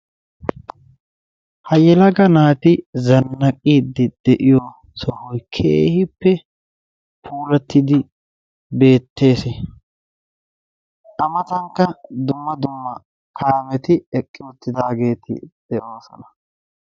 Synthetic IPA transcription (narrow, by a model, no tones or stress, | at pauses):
hɐjɛlɐɡɐnaːt̪ɪzɐnːɐkʼiːd̪ɪd̪ɛʔɪjɔ | sɔhɔjkʰeːhɪpːɛ | pʰuːlɐt̪ːɪd̪ɪ | be̞ːt̪ːe̞ːsɛ | ʔɐmɐt̪ɐŋkːɐd̪ʊmːɐd̪ʊmːɐ | kʰaːmɛt̪ɪɛkʼːɪʊt̪ːɪd̪aːɡe̞ːt̪ɪ̰d̪̥ɛʔo̞ːsɔ̰nɐ̥